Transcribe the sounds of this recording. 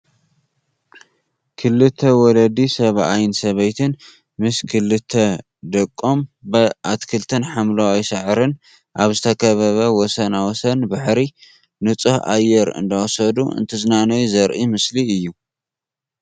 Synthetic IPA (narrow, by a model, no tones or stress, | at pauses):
kʰɨlːɨt̪ʰːɐwɔlɐd̪isɐβʔajnsɐβɐjt̪ʰɨn | mɨskʰɨlːɨt̪ʰːɐ | d̪ɐkʼːombɐʔat̪kʰɨlt̪ʰɐnħamlawajsɐʕɾɨn | ʔaβzɨt̪ʰɐkʰɐβɐβɐwɔsɐnawɔsɐnbaħɾi | nɨt͡sʼɨhʔa̰jːɛɾɨ̰nd̪awɔsɐd̪ṵɨ̰nt̪ʰɨzɨnanɐjuzɐɾʔimɨsliɨjːu